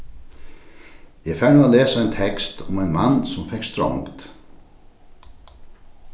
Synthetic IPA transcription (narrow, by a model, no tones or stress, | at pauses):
jɛfɛːnuːaðlɛːsaajnt̪ʰɛkst̪ʊ̰majnmanːsʊmfɛkst̪ɾɔ̰ŋkt̪